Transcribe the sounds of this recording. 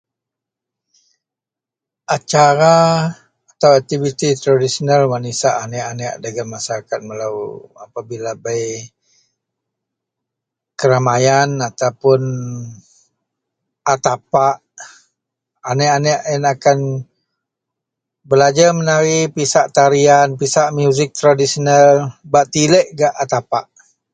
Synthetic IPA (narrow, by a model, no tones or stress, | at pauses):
at͡ʃaɾa | at̪awak̚t̪ivit̪it̪əɾodisonalwanisaʔanɛʔanəʔdaɡanmasaɾakat̪̚məlawa̰pabilabaj | kəɾamajanat̪awpʊn | at̪apaʔ | anɛʔanɛʔɛnakan | bəlad͡ʒamənaɾipisaʔt̪aɾianpisaʔmjuzɪk̚t̪ɾadisinalbaʔt̪iləʔɡaʔat̪apaʔ